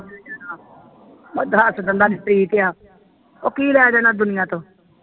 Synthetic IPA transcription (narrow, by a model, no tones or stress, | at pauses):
d͡ʒaːnaː | məd̪asd̪ənd̪aːnɪpɾiːt̪ɪjaː | o̰ːkiːlɛːaːd͡ʒaːnaːd̪ʊnɪjãːt̪õː